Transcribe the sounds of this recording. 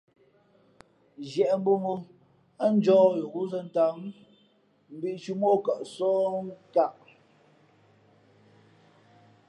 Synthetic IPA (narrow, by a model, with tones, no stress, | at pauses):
d͡ʒjɛ˨ʔm̩˦bu˦mu˦ | a˦n̩˦d͡ʒɔː˦jɣu˦zə˦n̩˨ta˨˦m | m̩˨bi˦ʔt͡ʃu˦mo˦kə˨ʔsɔː˦ŋ˦ka˦˨ʔ